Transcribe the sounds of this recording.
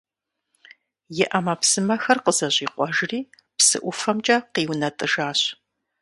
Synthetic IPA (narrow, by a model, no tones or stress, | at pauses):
jɪʔɐmɐpsɨmɐxɐrqəzɐʑʼiːqʷɔʒriː | psɨ̰ʔʷʊfɐmt͡ʃʼɐqiːwnɐtʼɨʒaːɕ